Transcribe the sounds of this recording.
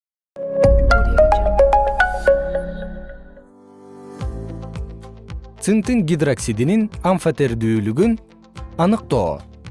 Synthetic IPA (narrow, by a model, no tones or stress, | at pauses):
t̪sɨnt̪ɨŋɡʲid̪raksʲid̪ininaɱfat̪eɾd̪yːlyɡyn | ɑnɯq̚t̪o̰ː